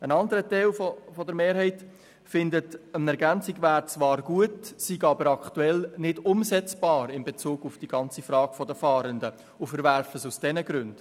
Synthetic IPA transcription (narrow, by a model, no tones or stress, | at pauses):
ənɑndəɾətɛɪlfɔfɔdəɾmeːɾhɛɪt | fɪndətənɛɾɡænt͡siɡʋæːɾt͡svʋɑːɾɡ̥uətsiɡɑbəɾɑktuɛlnɪdʊmzɛt͡sb̥ɑːɾɪmbet͡suːɡ̥ufd̥iɡ̥ɑnt͡sifɾɑːɡ̥fɔdəfɑːɾəndə | ʊfəɾvæɾfəsusd̥ɛnəɡɾʏnd̥